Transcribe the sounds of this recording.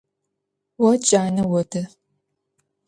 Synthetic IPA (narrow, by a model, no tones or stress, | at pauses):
wɐt͡ʃʼaːnɐwɔtʰɐ